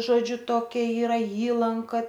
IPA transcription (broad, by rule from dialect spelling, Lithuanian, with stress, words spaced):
ˈʒoːd͡ʒʲʊ ˈtoːkʲɛ ˈiːrɐ ˈiːlˠɐŋkɐ